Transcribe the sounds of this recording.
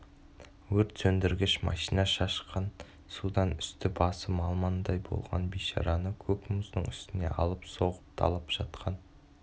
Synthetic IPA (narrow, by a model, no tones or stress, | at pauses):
wɵɾt̪sɵnd̪ɪɾɡʲɪʃmɑ̰ʃinɑʃɑʃqɑn | sud̪ɑnʏ̥st̪ɪbɑsəmɑlˠmɑnd̪ɑjbo̰lˠʁɑ̰nbijʃɑ̰ɾɑnəkʲʰɵkmʊznəɴʏst̪ɪne̞̰ʔɑ̰lˠəpso̞ʁəp̚t̪ʰɑ̰lˠəpʒ̥ɑt̪qʰɑn